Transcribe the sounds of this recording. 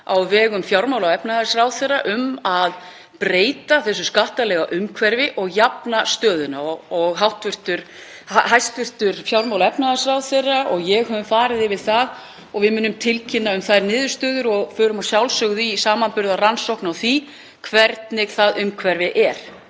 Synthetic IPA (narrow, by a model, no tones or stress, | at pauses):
awvɛːɣʏmfjawɾmawlawɛpnaðaɾsrawθeraʔʏmað | pɾeːjt̪aθɛsːʏskaht̪alɛɣaʔʏmkʰvɛɾvɪʔɔɣjapnast̪œːðʏnaɔɔɣɦawht̪vʏr̥t̪ʏɾ̥ | haɦajst̪vʏr̥t̪ʏɾ̥fjawɾmawlaɛpnaðasrawθerːaʔɔɣjɛɣɦœvʏmfaːɾɪðɪvɪðθað | ɔɣvɪmʏːnʏmt̪ʰɪlcʰɪnːaʏmθajɾnɪːðʏ̥st̪œːðʏɾɔɣfœːɾʏmasjawlsœɣʏðisaːmanpʏɾðaransowknawθvi | kʰvɛɾt̪nɪɣθaðʏmkʰvɛɾvɪʔɛɾ̥